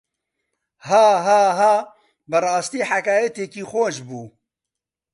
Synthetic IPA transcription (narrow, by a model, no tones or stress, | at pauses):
haːɦaːɦaː | bɨrˤɑːst̪iːħakaːjɛt̪eːkiːxoːʃbuː